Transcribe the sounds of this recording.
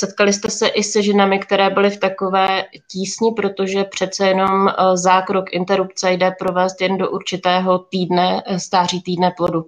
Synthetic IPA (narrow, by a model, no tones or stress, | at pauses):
sɛt̪kalɪst̪ɛsɛʔɪsɛʒɛnamɪkt̪ɛɾɛːbɪlɪft̪ako̞vɛːciːsɲɪpɾo̞t̪o̞ʒɛpr̝̥ɛt̪t͡sɛjɛno̞mzaːkɾokʔɪnt̪ɛɾupt͡sɛjdɛpɾo̞vɛːst̪jɛndo̞ʔuɾt͡ʃɪt̪ɛːɦo̞t̪iːdnɛst̪aːr̝iːt̪iːdnɛplo̞du